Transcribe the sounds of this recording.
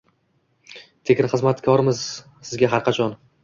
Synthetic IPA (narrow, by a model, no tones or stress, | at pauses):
t̪ʰekʲɪnχɨzmat̪kʰɒɾɪmɪz | sɪzɡʲaɦaɾqʰɑt͡ʃʰɒn